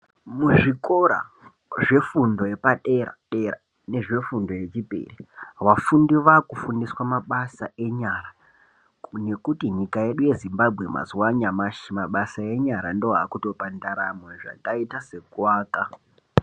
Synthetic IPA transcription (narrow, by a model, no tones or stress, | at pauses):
muʐiko̞ɾa̰ | ʐe̞fundo̞jepaɗeraɗera̰ | ne̞ʐe̞fundo̞je̞t͡ʃipḛriʋafundiʋakufundiswamaɓasaʔe̞ɲaɾa | ne̞kutiɲikaje̞ɗuje̞zimbabʱɣe̞ma̰ziwaɲamaʃimaɓasae̞ɲaɾandoɦakuto̞pandaɾameʐa̰kaitase̞kwaːka